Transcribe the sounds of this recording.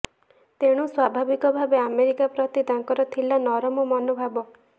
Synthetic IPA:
t̪eɽ̃uswabʱabikɔbʱabeameɾikapɾɔt̪id̪aŋkɔɾɔt̪ʰilanɔɾɔmɔmɔnobʱabɔ

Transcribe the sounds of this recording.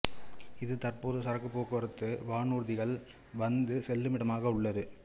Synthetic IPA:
ɪðɯt̪ɐrpoːðɯsɐɾɐkːɯpːoːkɯɐɾɯt̪ːɯʋaːɳuːɾðɪɣɐɭ | ʋɐnd̪ɯsɛlːɯmɪɽɐmaːɣɐʊɭːɐðɯ

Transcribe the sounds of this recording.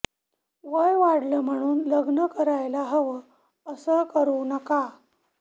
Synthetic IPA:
ʋəjʋaɽləm̤əɽ̃uːnləɡnəkəɾajlaɦəʋə | əsəkəɾunəka

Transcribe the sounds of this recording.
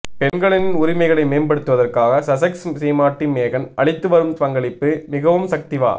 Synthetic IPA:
pɛnɡɐɭɪnɪnʊɾɪmɐɪɣɐɭɐɪmeːnbɐɽɯt̪ːɯʋɐðɐrkaːɣɐsɐsɐkssɛjmaːʈːɪnmeːɣɐnʔɐɭɪt̪ːɯʋɐɾɯmt̪ɐŋɡɐɭɪpːɯmɪɣɐʋɯmsɐk̚t̪ɪʋa̰ː

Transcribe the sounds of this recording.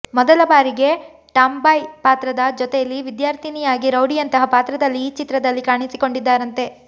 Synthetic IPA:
mɔd̪ɐlɐbaːɾiɡe̞ | ʈaːmbɐjpaːt̪ɾɐd̪ɐd͡ʒɔt̪ejɐlːiʋid̪jaːɾt̪ʰinijaːɡiɾɐwɽijɐnt̪ɐɦɐpaːt̪ɾɐd̪ɐlːiːt͡ʃit̪ɾɐd̪ɐlːikaːɳisiko̞ɳɖid̪ːaːɾɐnt̪e̞

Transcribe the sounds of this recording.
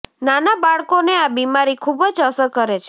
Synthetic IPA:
nanabaɭkoneabimaɾikʰubəd͡ʒəsəɾkəɾet͡ʃʰe̥

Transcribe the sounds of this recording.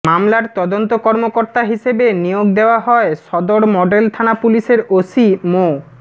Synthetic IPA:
mamlaɾt̪ɔd̪ont̪okɔɾmokoɾt̪aɦiʃebenijoɡd̪eoaɦɔeʃɔd̪oɽmɔɖelt̪ʰanapuliʃeɾosimo

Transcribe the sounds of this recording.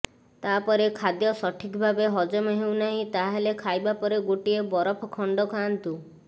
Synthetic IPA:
t̪apɔɾekʰad̪jɔsɔʈʰikbʱabeɦɔd͡ʒɔmeɦew̃naɦĩt̪aɦelekʰajbapɔɾeɡoʈiebɔɾɔpʰɔkʰɔɳɖɔkʰant̪u

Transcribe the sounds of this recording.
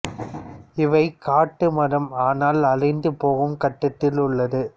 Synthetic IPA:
ɪʋɐɪkaːʈːɯmɐɾɐmaːnaːlɐlɐɪnd̪ɯpoːɣɯmkɐʈːɪt̪ːɪlʊɭːɐðɯ

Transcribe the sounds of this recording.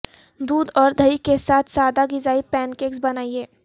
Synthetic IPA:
d̪uːd̪ɔːɾd̪ʱəikesaːt̪ʰsaːd̪aɡɪzaːipɛːnkeːks̬bɐnaːieː

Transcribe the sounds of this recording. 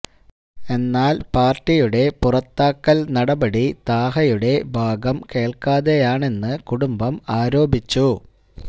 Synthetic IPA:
e̞nːaːlpaːrʈːijuɽe̞purɐt̪ːaːkːɐlnɐɽɐbɐɽit̪aːɦɐjuɽe̞bʱaːɡɐmke̞ːɭkaːðejaːɳe̞nːɨkuɽumbɐmaːɾo̞ːbʱit͡ɕːu

